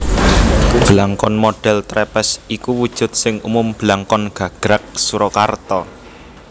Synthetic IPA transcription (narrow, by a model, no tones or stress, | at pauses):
b̥əlaŋkɔnmoɖ̥ɛ̤lt̪ɾɛpɛsikuwud̥ʒ̥ʊ̤t̪̚sɪŋumʊmb̥əlaŋkɔnɡ̥a̤ɡ̥ɾak̚suɾɔkart̪ɔ